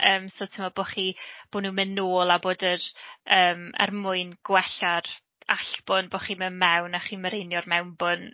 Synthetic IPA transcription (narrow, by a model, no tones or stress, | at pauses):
əːmsotʰɪmɔboχib̥oːnuːmənoːlˠaboːdərəːmə̰rmʊɨnɡ̥wɛɬar | aɬb̥ʊnbɔχimənmɛwnaχiməɾejnjɔrmɛwnbon